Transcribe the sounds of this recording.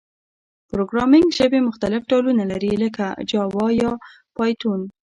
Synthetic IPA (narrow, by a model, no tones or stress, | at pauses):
pɾoɡɾɑmɪŋɡʒəbemʊxt̪alɪfɖolunalaɾiləkad͡ʒɑwɑjɑ | pɑjt̪un